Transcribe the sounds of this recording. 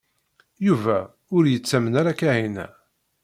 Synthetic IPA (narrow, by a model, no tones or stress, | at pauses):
juvæ | ʊɾjət͡sːæmənaɾakːæhinæ̰